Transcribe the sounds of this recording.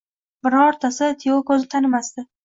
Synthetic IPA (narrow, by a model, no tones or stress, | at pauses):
bɪɾɒːɾt̪ʰasɪt̪ʰijokɵzɪt̪ʰanɪmast̪ɪ